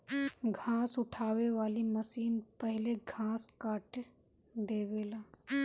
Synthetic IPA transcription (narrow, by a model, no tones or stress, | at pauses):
ɡʱãːsʊʈʰaːweʋaːliməsiːnpəɦɪleɡʱãːskaːʈ | d̪eːweːlaː